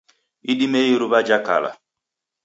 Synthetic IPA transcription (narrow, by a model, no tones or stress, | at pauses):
iɗimejiɾuβad͡ʒaka̰la̰